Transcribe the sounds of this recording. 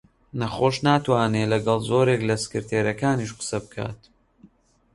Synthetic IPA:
nɐχoːʃnaːt̪waːnelɐɡɐlˠzoːɾeklɐsɨ̥kɨɾt̪ʰeːɾɐkaːniʃqə̥sɐbɨkʰa̰ːt̪

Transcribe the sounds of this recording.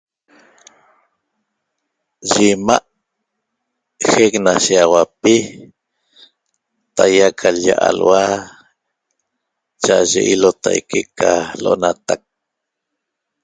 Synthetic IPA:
ʒimaʔ | heknaʃiawapi | t̪ajakʰalja̰ʔa̰lwa | t͡ʃaʔaʒḛʔilot̪a̰jkekaloʔonat̪ak̚

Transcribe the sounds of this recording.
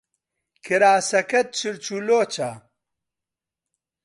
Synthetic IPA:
kʰiɾaːsɐkɐt̪̚t͡ʃʰiɾt͡ʃuloːt͡ʃa

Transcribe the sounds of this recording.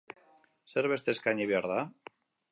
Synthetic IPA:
seɾβest̪eskaɲiβjaɾða

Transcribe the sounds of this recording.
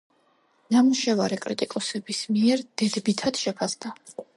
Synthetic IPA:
namuʃɛvaɾɛkʼɾit̪ʼikʼɔsɛbismiɛɾd̪̥ɛd̪bit̪ʰad̪̥ʃɛpʰasd̪a

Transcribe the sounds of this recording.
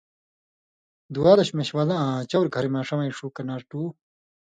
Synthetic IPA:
d̪uaːlɐɕmeɕwalaãːt͡ɕɐwɾɡʱɐɾimaːʂɐmɐiʂuːkɐnaːɾʈuː

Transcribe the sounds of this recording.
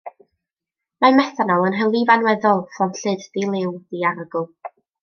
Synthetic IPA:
mamɛθanɔlˠənɦɛlˠivanwɛðɔlˠfɔmɬɨddilˠɪwðiaɾəɡʊlˠ

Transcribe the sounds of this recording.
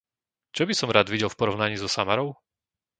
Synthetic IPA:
t͡ʃɔbisɔmɾad̪ʋiɟɛlˠfpɔɾɔʊnaɲiːzɔsamaɾɔʊ

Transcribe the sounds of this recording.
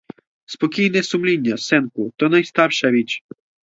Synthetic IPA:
spɔkʲijnɛsʊmlʲinʲːɐsɛnkʊt̪ɔnɐjst̪ɑrʃɐʋʲit͡ʃ

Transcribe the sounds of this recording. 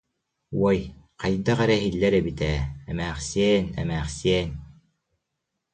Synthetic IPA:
uɔjqɑjd̪aʁɛɾɛɦilːɛɾɛbit̪ɛːɛmæːχsiɛnɛ̰mæːχsiɛn

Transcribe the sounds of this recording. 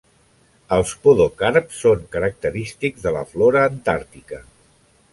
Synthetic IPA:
əlˠspoðokaɾpsːoŋkəɾək̚t̪əɾist̪iɡzðələ̰floɾəːnt̪aɾt̪ikə

